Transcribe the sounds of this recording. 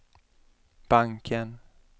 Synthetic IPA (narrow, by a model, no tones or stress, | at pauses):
b̥aŋkʰən